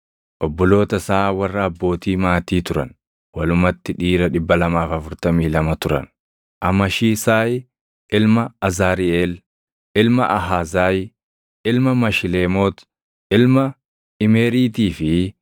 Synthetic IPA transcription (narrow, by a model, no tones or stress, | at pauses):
ʔɔbːɔlo̞ːt̪ɐsaːwɐrːɐːbːo̞ːt̪iːmaːt̪iːt̪ʊɾɐ̰n | wɐlʊmɐt̪ːɪᶑiːɾɐᶑɪbːɐlɐmaːfɐfʊɾt̪ɐmiːlɐmɐt̪ʊɾɐ̰n | ʔɐmɐʃiːsaːj | ʔɪlmɐɐzaːɾɪeːl | ɪlmɐʔɐɦaːzaːj | ʔɪlmɐmɐʃɪleːmoːt̪ | ɪlmɐ | ɪmeːɾiːt̪iːfɪ